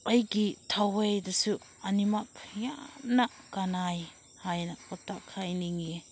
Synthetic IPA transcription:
ajɡitʰawejdasu | animapʰja̰na | kanaj | hajnakɔtakʰajniŋie

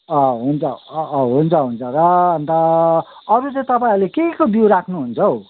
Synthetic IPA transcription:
ʌɦunt͡sʰʌɦunt͡sʰʌɦunt͡sʰʌɾʌʌnt̪ʌʌɾut͡sʌĩt̪ʌpaĩlekeikobjuɾakʰnuɦunt͡sʰʌw

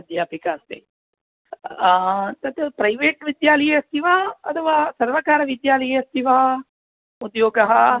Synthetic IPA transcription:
d̪jaːpikaːst̪ḛ | t̪ɐt̪pɾɐjʋeːʈʋid̪jaːlɐjeɐst̪ʰiʋaːɐ̰t̪ʰɐʋaːsɐɾʋɐkaːɾɐʋid̪jaːlɐjeɐst̪ʰiʋaɐ | ud̪joːɡɐɦɐ

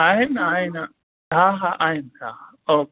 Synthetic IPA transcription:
aːɦɪnaːɦɪna | ɦaːɦaːʔaːɦɪnt̪ʰaː | oːk

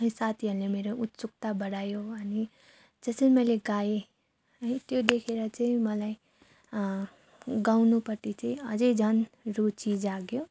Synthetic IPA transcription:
isat̪ʰiɦʌɾulemeɾoʔut̪suk̚t̪abʌɽajoʌni | d͡zʌsʌnimʌjleɡaje | ʌnit̪jod̪ekʰeɾʌt͡saĩmʌlaj | ɡawnupʌrt̪it͡saĩʌd͡zʌjd͡zʱʌnrut͡sid͡zaɡjo

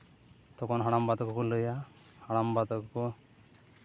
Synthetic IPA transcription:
t̪ɔkɔnɦaɽ̃ambat̪ɔkɔkuləja | haɽ̃ambat̪ɔkɔkɔ

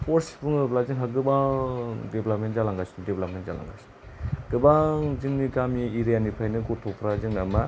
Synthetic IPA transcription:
poɾsi̥puŋɯplaziŋɦaɡɯbaŋdeblap̚mentzalaŋɡasi̥nideblap̚mentza̰la̰ŋɡa̰si̥ni | ɡ̥ɯbaŋziŋnikamiiɾijanipʰajnɯkotʰɔpʰɾaziŋnama

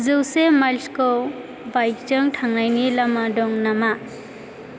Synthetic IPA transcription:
zɯwsemajlskɔ | bajk̚t͡ʃɯŋʈʰaŋnajnilamadɔŋnama

